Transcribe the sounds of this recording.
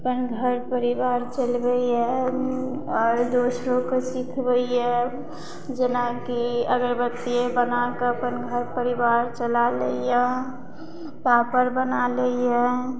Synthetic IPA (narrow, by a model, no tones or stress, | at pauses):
əpənɡʱəɾpəɾibaɾt͡ʃəlbəɛ | ɔːɾd̪osɾõkesikʰbəiɛ | d͡ʒenakiəɡəɾbət̪ːiebənakepənɡʱəɾpəɾibaɾt͡ʃəlaləiɛ | papəɾbənaləiɛ̃